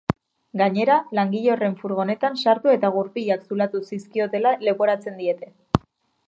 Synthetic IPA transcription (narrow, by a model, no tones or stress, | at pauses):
ɡaɲe̞ɾalaŋɡiʎo̞re̞ɱfuɾɣ̞o̞ne̞t̪ansaɾt̪ue̞t̪aɣ̞uɾpiʎaksulat̪usiskio̞t̪e̞lale̞po̞ɾat͡se̞nd̪ie̞t̪e̞